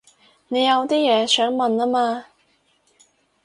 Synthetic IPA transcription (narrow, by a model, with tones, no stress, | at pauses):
ne˨˧jɐ˨˧wt̪iː˥jɛː˨˧sœː˨˥ŋmɐ˨naː˥maː˧